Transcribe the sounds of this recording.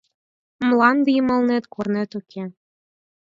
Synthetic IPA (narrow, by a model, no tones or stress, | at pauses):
mlˠɑnd̪imɤ̆lˠnet̪kornet̪ukʲʰe